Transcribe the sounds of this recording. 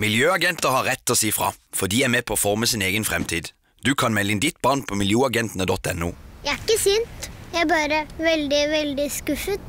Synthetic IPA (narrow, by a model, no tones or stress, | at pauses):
mɪljøːɑɡɛnt̪əhɑʁːɛt̪ːɔːsiːfʁɑ̰ːfɔd̪iːæmeːpʰɔːfɔʁməsɪneːɡənfʁɛmt̪ʰiːd̪ | d̪̥ʉːkʰɑnmɛlːəɪnd̪ɪt̪bɑːʁnpʰɔmɪljuːɑɡɛnt̪ənəd̪ɔt̪ːɛ̰nːṵːjææɾɪkːəsynt̪jææbɑːɾəʋɛld̪ɪʋɛld̪ɪskʉfət̪